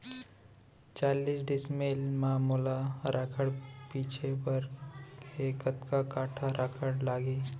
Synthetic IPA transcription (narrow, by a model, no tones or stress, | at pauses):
t͡ʃaːliːsɖɪsmeːlmaːmuːlaɾʔaːkʰəɽpiːt͡ʃʰepəɾ | eːkət̪kakaːʈʰaɾʔakʰəɽlaːɡeː